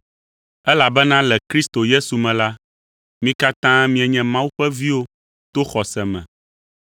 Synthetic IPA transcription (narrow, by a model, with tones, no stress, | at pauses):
ɛ˦la˨bɛ˦nã˦lɛ˨kɾi˦st̪o˨je˦su˨mɛ̃˨la˦ | mĩ˦ka˦t̪ã˦mĩ˦ɛ˨ɲɛ̃˨mã˦wu˦ɸɛ˦vi˦wo˦ | t̪o˦xɔ˨sɛ˨mɛ̰̃˨